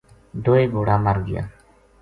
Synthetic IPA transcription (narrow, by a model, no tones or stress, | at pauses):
ɖ̪oːeːboːɽaːmaɾɡɪ̰ja̰ː